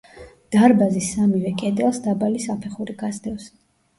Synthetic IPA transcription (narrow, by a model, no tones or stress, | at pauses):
d̪̥aɾbazisamivɛkʼɛd̪ɛlˠsd̪abalisapʰɛχuɾiɡazd̪ɛws